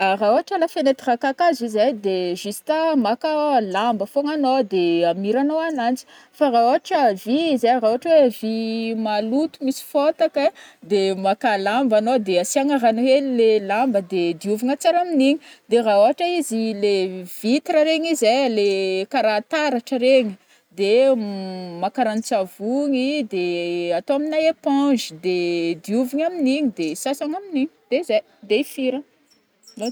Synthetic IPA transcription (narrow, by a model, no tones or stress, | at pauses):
araoaʈ͡ʂalafenet̪irakakazizejd̪eʒist̪amakalambəfoŋanod̪eamiɾanoanant͡si̥ | faraoaʈ͡ʂəviizeraoaʈ͡ʂəwevimalut̪umisi̥fot̪aked̪emakalambanod̪easiaŋaranuɦellelambəd̪ed̪iuvuŋat͡saɾaminiɲid̪eraoɦaʈ͡ʂəizilevit̪ɾəɾeɲizejlekaɾat̪aɾaʈ͡ʂəɾeɲi | d̪e | makaɾanit͡savuŋid̪eat̪oaminajepãd͡ʒid̪ed̪iuviɲaminiɲid̪esasaŋaminiɲi̥d̪̥eize | d̪eifiɾə